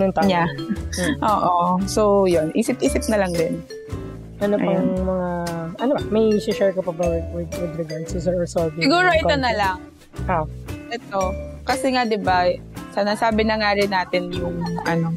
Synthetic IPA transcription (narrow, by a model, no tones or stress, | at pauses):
nʊŋt̪ja | ʔoːʔosojonʔiːsɪp̚ʔiːsɪp̚nɐlɐŋd̪ɪn | ʔɐnopɐŋmɐŋaʔɐnopɐmɐjʃɛʃɛɹkopɐbɐwɛkwɪwɪd̪ɾɛɡaɹd̪sɛsɛɔɹsobɪɡuːɾoʔɪt̪onɐlaŋ | aʔɛt̪o̞kɐsɛŋad̪ɪba | sɐnasaːbɪnɐŋaɾɪnːaːt̪ɪnjʊŋʔɐ̰no̞